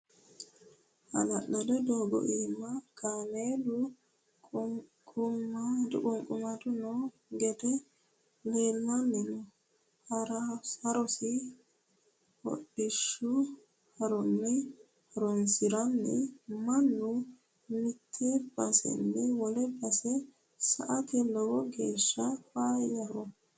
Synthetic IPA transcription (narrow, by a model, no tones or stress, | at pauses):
ʔɐ̰lɐɗːɔdɛd̪oːɡɔ̰ʔiːmːaɡ̥anedu | kkʼʊmːad̪ukʼɔŋkʼumad̪unɔ | ɡɛt̪ɛ | leːlːanːinɔ | hɾaɐɾɔsi | wɔ̰ɗːɪʃːʊ | hɐɾɔnːɪ | hɐɾɔnsɪɾɐnːɪ̰mɐnːʊ | mɪt̪ʰːɛb̥ɐsɛ̰nːɪwɔlɛbɐsɛ | sɐ̰ʔɐt̪ɛlɔwɔɡeːʃːɐfaːjɐɾɔ